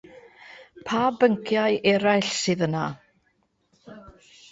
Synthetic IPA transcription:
pʰaːbəŋkʰjajʔɛɾajɬsɨːðəna̰

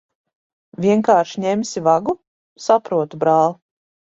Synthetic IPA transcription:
vʲiɛŋkaːɾʃiɲɛmsʲivaɡu | sapɾuɔt̪ubɾaːlˠ

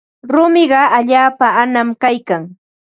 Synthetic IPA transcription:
ɾʊmɪɢɑaʎaːpaːnamkajkaŋ

